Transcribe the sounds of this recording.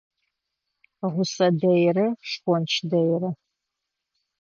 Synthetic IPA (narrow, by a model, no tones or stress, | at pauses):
ʁʷʊsɐdɐjrɨʂkʷɔnt͡ʃʰdɐjrɨ